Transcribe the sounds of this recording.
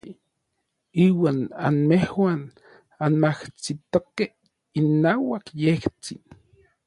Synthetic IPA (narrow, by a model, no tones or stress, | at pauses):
iːwaːna̰nmehwaːn | anmaht͡sit̪okeh | inːaːwakjeht͡sin